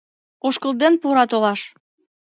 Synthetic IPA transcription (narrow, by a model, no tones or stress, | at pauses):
oʃkəlˠd̪enpuɾɑt̪olɑʃ